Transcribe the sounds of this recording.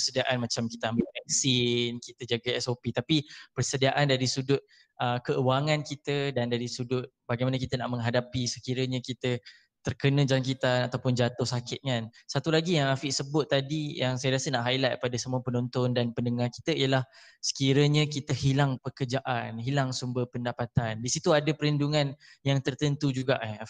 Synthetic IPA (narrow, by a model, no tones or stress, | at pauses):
pərsədiaʔanmat͡ʃamkit̪əambɪlmɛk̚sinkit̪əd͡ʒaɡaɛsopit̪apipərsədiaʔandaɾisudʊt̪̚ | ʔəkəuwaŋankit̪ədandaɾisudʊt̪̚baɡajmanəkit̪ənaʔmə̃ŋɦadapisəkiɾəɲakit̪ə | t̪ərkənə̃d͡ʒaŋkit̪anat̪awpʊnd͡ʒat̪ʊhsakɪt̪̚ŋansat̪ulaɡijaŋafɪʔsəbʊt̪ːadijaŋsajɾiasənaʔɦailat̪̚padasəmuapənɔnt̪ɔndanpəndəŋarki̥t̪əijəlah | sə̥kiɾəɲə̃kit̪əhilaŋpəkərd͡ʒaʔanɦilaŋsumbəpəndapat̪andisit̪uadəpəɾənduŋanjaŋt̪ərt̪ənt̪ud͡ʒuɡaʔa